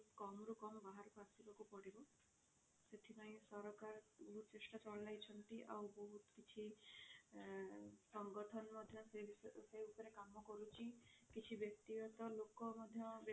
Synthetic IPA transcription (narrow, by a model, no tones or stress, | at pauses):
kɔmɾukɔmɔbaɦaɾɔpasibɔkupɔɽibɔ | set̪ʰipaĩsɔɾɔkaɾut͡ʃesʈat͡ʃɔɭlajt͡ʃʰɔnt̪iʔa̰wbɔɦut̪kit͡ʃʰi | sɔŋɡɔʈʰɔnɔmɔd̪ʱjɔseseupɔɾekamɔkɔɾut͡ʃʰikit͡ʃʰibjɔk̚t̪iɡɔt̪ɔlokɔmɔd̪ʱjɔb